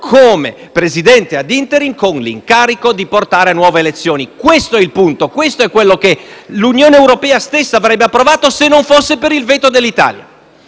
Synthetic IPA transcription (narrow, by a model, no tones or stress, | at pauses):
kʰoːmḛ | pɾezid̪ɛnt̪ead̪int̪eɾimkonlḭŋkaːɾikod̪iport̪aːɾeanːwɔːveːlet̪sːjoːnikwest̪oɛilpunt̪okwest̪oɛkːwelːokelunjoːneewɾopɛːast̪esːaːvɾɛbːeapːɾovaːt̪osenːoɱfosːepeɾilveːt̪od̪elːit̪a̰ːlja̰